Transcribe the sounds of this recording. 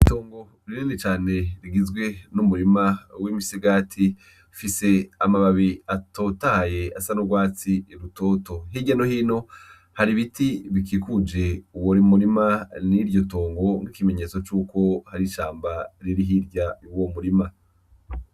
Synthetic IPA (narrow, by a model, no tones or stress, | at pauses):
ito̞ːŋɡo̞ | ɾiɾiːndit͡ʃaːne̞ɾiɡizɡwe̞numuɾimawimisiɡaːtʰi | fise̞amaβaβiato̞tahaje̞asanoɡwaːt͡siːɾutoːto̞ɦiɟanohiːno̞ | haɾiβitiβik̬ikud͡ʒe̞uwoɾimuɾimaniɾɟo̞to̞ːŋɡo̞ŋɡikime̞ɲe̞ːt͡so̞t͡ʃuːko̞haɾiʃaːmbaɾiɾiɦiɾɟauwomuɾima